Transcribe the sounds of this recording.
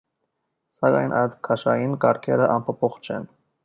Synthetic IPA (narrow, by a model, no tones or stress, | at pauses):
sɑkɑ̰jnʔɑjd̪kʰɑʃɑjinkɑɾkʰɛɾəʔɑnpʰɔpʰɔχt͡ʃʰɛ̰n